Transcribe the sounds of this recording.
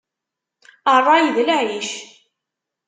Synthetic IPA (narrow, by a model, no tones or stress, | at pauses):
ərˤːɑjðlʕiʃ